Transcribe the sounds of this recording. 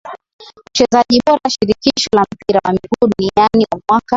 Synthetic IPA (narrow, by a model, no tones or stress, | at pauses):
ut͡ʃɛzaʄiɓɔɾaaʃiɾikiʃɔlam̩piɾawamikuːɗunianiwamwaka